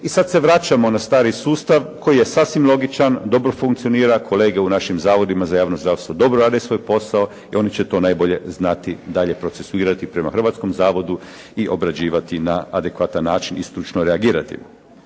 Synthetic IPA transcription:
isad̪se̞ʋɾat͡ʃamo̞nast̪aːɾisuːst̪aʋkʰo̞jije̞saːsʋimlˠo̞ɡit͡ʃand̪o̞bɾo̞fuŋkt̪sioniːɾakʰo̞leːɡeunaʃimzaːʋo̞d̪imazajaːʋnozd̪ɾaːʋst̪ʋod̪o̞bɾoɾaːd̪esʋo̞jpo̞sao | io̞nit͡ɕet̪o̞ːnajbo̞ʎe̞znat̪id̪aʎe̞pɾo̞t̪se̞suiːɾat̪ipɾe̞maxr̩ʋaːt̪sko̞mzaːʋo̞d̪u | iʔo̞bɾad͡ʑiːʋat̪inaad̪ekʋat̪anːaːt͡ʃinist̪ɾut͡ʃnoɾeaɡiːɾat̪ḭ

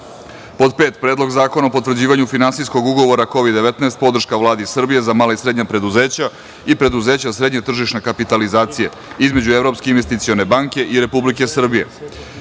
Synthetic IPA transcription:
po̞d̪peːt̪pɾe̞ːd̪lo̞ɡzaːko̞naopo̞t̪vr̩d͡ʑiːʋaɲufinansijsko̞ɡuɡo̞ʋo̞ɾako̞ʋid̪d̪e̞ʋet̪naest̪̚po̞d̪r̩ʃkaʋlˠaːd̪isr̩bije̞zamaːlaisɾe̞d̪ɲapɾe̞d̪uze̞ːt͡ɕa | ipɾe̞d̪uze̞ːt͡ɕasɾe̞d̪ɲet̪r̩ʒiʃnekapit̪alizaːt̪sije̞ | izme̞d͡ʑuevɾo̞pskeinʋest̪it̪sijo̞ne̞baŋkʲe̞ʔiɾe̞publike̞sr̩bije̞̰

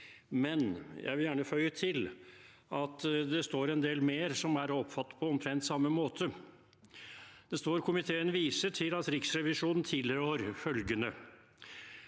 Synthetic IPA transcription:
mɛnjæ̰ɪʋɪljæːɳəfœʏət̪ʰɪlʔɑt̪d̪ɛst̪oːɾɛnd̪eːlmeːɾsɔmæɾɔpfɑt̪ːpʰɔɔmt̪ʰɾɛnt̪sɑmːəmoːt̪ʰə | d̪̥ɛst̪oːɾkʰʊmɪt̪ʰeːənʋiːsəʈʰɪlɑt̪ɾɪksɾɛʋɪʂuːnn̩t̪ʰɪːlhøɾfœlɡənə

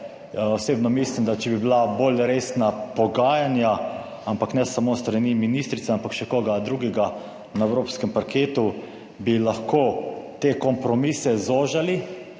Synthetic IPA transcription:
ɔseːbnɔmislimd̪at͡ʃɛbibilaboːlɾesnapɔɡaːjanja | ampaknɛsamost̪ɾaniminiːst̪ɾit̪seɛampakʃɛkoːɡad̪ɾuɡɛɡa | naɛwɾoːpskɛmpaɾkeːt̪u | bilaxkoːt̪ekɔmpɾɔmisɛzoːʒali

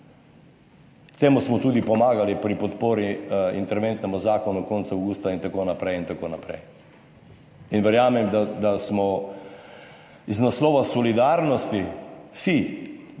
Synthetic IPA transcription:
kt̪eːmusmɔt̪uːd̪ipɔmaːɡalipɾipɔt̪poːɾiḭnt̪ɛɾʋent̪nɛmuzaːkɔnukont̪sawɡuːst̪aint̪akoːnapɾɛjint̪akoːnapɾɛ̰j | inʋɛɾjaːmɛmd̪ad̪asmɔ | iznaslɔːʋasɔlid̪aɾnɔst̪iwsi

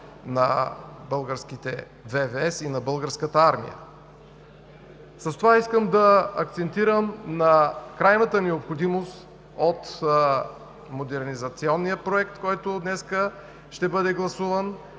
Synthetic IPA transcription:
nɐbɤlˠɡəɾsk̟it̪ɛ̰ | vɛvɛɛsinɐbɤlˠɡəɾskət̪əaɾmḭjə̰ | səst̪ovaiskəmd̪ɐɐkt̪sɛnt̪iɾəmnɐkɾajnət̪ənɛopxod̪imost̪ | ot̪ | mod̪ɛɾnizɐt̪siɔnːijəpɾoɛk̚t̪kɔjt̪od̪nɛskə | ʃt̪ɛbɤd̪ɛɡlˠɐsuvən

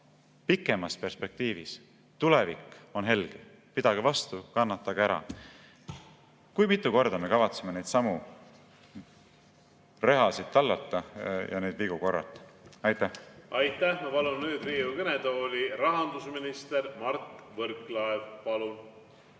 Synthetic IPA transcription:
pikːˑe̞mɑspe̞rspe̞k̚t̪iːvis | t̪ule̞vikːˑo̞nɦe̞lɡ̥e | pid̪̥ɑɡ̥evɑst̪ukɑnːɑt̪ːɑɡ̥eeɾɑ̰ | kujmit̪ːˑuko̞rd̪̥ɑme̞kɑvɑt̪seme̞nejd̪̥sɑmu | re̞ɦɑsid̪̚t̪ːɑlːɑt̪ːˑɑjɑ̰ned̪viɡ̥uko̞rːɑ̰t̪ːˑɑjt̪ːˑæhɑjt̪ːˑæhmɑpɑlunnyːd̪riːukɤned̪oːlʲirɑɦɑnd̪usminist̪eɾmɑrt̪vɤɾklɑevpɑlu

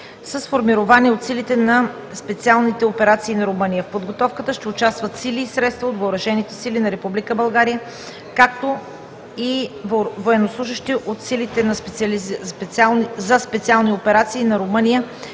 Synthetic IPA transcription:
səsfoɾmiɾovaniɛot̪silit̪ɛnɐ | spɛt̪sialˠnit̪ɛopɛɾat̪siːnɐɾomɤnijəfpod̪ɡot̪ɔfkət̪əʃt̪ɛʊt͡ʃast̪vət̪siliːsɾɛt̪st̪vəot̪vɐʊɾɐʒɛnit̪ɛsilinɐɾɛpublikəbɐlˠɡaɾijə | kak̚t̪o | i | voɛnoslˠuʒəʃt̪iʔot̪silit̪ɛnɐspɛslpɛt̪salˠnizɐspɛt̪sʲialˠniopɛɾat̪siːnɐɾomɤnijə

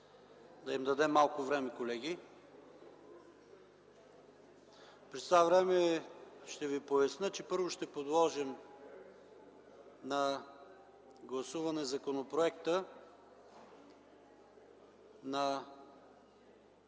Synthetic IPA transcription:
d̪ɐimd̪ɐd̪ɛmːalˠkʊvɾɛmɛkolɛɡ̟ʲi | pɾɛst̪vavɾɛmɛʃt̪ɛvipoɐsnət͡ʃɛpɤɾvʊʃt̪ɛpod̪lˠɔʒɛm | nɐ | ɡlˠɐsuvɐnɛzɐkonopɾoɛkt̪ə | nɐ

